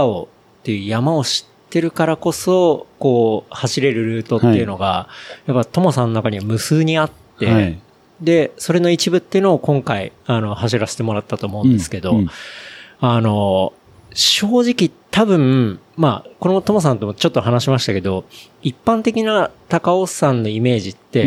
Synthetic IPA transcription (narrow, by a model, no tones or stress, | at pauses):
o̰ | t̪ːe̞jɯ̟ːjamao̞ɕi̥t̪ːe̞ɾɯ̟kaɾako̞so̞ko̞ːhaɕiɾe̞ɾɯ̟ɾɯ̟ːt̪o̞t̪ːe̞iɯ̟no̞ɡajapːat̪o̞mosãno̞nakaɲ̟iβamɯ̟sɨːɲ̟iat̪ːe̞ | d̪e̞so̞ɾe̞no̞it͡ɕibɯ̟t̪ːejɯ̟noːkõ̞ŋkaḭano̞haɕiɾaɕe̥t̪e̞mo̞ɾat̪ːat̪o̞ːmo̞ɯ̟̃nde̞sɨ̥ke̞d̪o̞ | ano̞ | ɕo̞ːʑikʲit̪ʰabɯ̟̃ɴ | mako̞no̞t̪o̞mos̬ãnt̪o̞mot͡ɕo̞t̪ːo̞ɦanaɕimaɕi̥t̪ake̞d̪o̞ipːãnt̪e̞kʲinat̪akaosãnːo̞ime̞ːʑit̪ːe̞